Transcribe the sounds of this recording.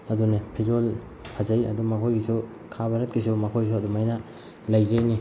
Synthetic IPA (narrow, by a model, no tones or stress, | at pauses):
ɐdunepʰid͡ʒol | hazajɐ̰dumɐkʰojɡisu | kʰabaɾɐt̚kisumɐkʰojs̬uɐdumajna | lajzajni